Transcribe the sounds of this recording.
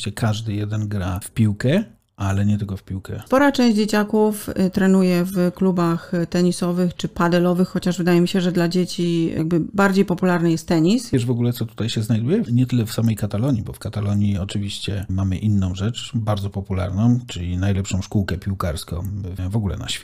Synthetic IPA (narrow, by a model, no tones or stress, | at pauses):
t͡ɕɛkʰaʐd̪ɘjɛd̪ɛnɡɾafpʲiwkɛ | ʔalɛɲɛt̪ɘlkɔfpʲiwkɛ̰spɔɾat͡ʂɛ̃w̃ʑd͡ʑd͡ʑet͡ɕakuft̪ɾɛnujɛvklubaxt̪ɛɲisɔvɘxt͡ʂɘpad̪ɛlɔvɘxːɔt͡ɕaʐvɘd̪ajɛmʲiɕɛʐɛd̪lad͡ʑet͡ɕija̰ɡ̚bɘbaɾd͡ʑejpɔpulaɾnɘjɛst̪ːɛɲisɛʐvɔɡulɛt̪sɔt̪u̥t̪ajɕɛznajd̪ujɛɲɛt̪ɘlɛfsamɛjkat̪alɔɲibɔfkat̪alɔɲiɔt͡ʂɘvʲiɕt͡ɕɛmamɘʔinːɔ̃w̃ʐɛt͡ʂbaɾd̪zɔpɔpula̰ɾnɔ̃w̃t͡ʂɘlʲinajlɛpʂɔ̃w̃ʂkuwkɛpʲiwkaɾskɔ̰̃w̃vɔɡulɛ̰na̰ɕfʲ